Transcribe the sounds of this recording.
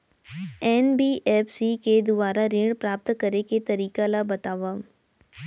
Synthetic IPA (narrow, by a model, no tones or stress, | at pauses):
ɛːnbiːʔɛːpsiked̪ʊbaːɾaɾɪ̃ːɽpɾaːp̚t̪kɐɾeket̪ɐɾiːkalabɐt̪aːʋa